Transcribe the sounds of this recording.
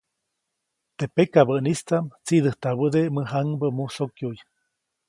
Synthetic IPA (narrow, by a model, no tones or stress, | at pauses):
t̪epekaβəʔnist͡samt͡siðəht̪aβəd̪eməɦaŋbəmusokjuj